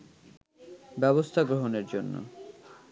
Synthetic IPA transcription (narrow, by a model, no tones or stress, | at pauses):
bɛβost̪ʰaɡɾoɦoneɾd͡ʑonːo̰